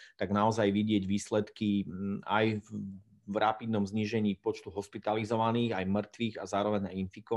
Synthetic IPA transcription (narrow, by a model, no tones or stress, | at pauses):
t̪aɡnaɔzajʋiɟɪɛɟʋiːslɛt̪kia̰j | vɾapid̪nɔmzɲiːʒɛɲiːpɔt͡ʃt̪uɦɔspit̪alizɔʋaniːɣajmr̩t̪ʋiːɣazaːɾɔʋɛɲainfikɔ